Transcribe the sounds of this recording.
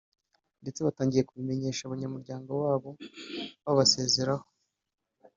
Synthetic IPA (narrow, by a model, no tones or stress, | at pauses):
nde̞t͡se̞βataːɲɟije̞kuβime̞ɲe̞ːʃaβaɲamuɾɟaːŋɡo̞waːβo̞βaβase̞ːze̞ɾaho̥